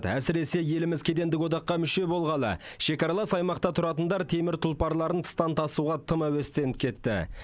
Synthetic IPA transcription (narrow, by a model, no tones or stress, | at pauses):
t̪æ̰sɪɾe̞se̞je̞lɪmɪzkʲʰe̞d̪e̞nd̪ɪkwo̞d̪ɑqːɑmʏʃe̞bo̞lˠʁɑnə̰ | ʃe̞kɑɾɑlˠɑsɑjmɑqt̪ɑt̪ʰʊɾɑt̪ənd̪ɑɾt̪ʰe̞mɪɾt̪ʰʊlˠpɑɾlˠɑɾənt̪ʰə̥st̪ɑnt̪ʰɑsuʁɑt̪ʰəmæwest̪e̞nɪp̚kʲʰe̞t̪ːɪ̰